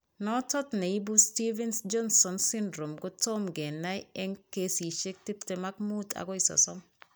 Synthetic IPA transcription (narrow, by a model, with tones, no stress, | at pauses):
nɔtɔ˦tne˨i˦busti˦vɛ˦nsd͡ʒɔ˦nsɔ˨nsɪndɾo˨mɡo˦tɔmɡɛ˨na˦jɛ˦ŋke˦si˨ʃe˦k̚ti˦ptɛ˨ma˦kmu˦tʰa̰˨kɔ˦i˨sɔ̰˨sɔ˦m